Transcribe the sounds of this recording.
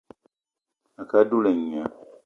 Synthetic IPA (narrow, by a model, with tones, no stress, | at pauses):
a˨ka˦du˦le˨ɲ˨a˨